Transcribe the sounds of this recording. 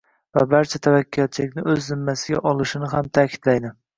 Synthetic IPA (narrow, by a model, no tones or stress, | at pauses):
vabaɾt͡ʃʰat̪ʰavakʲːijat̪̚t͡ʃʰɪlɪkʲnɪɵzːɪmːasɪɡʲa̰ʔɒlˠɪʃɪnɪɦamt̪ʰaːkʲʰɪ̥d̪̥lajnɪ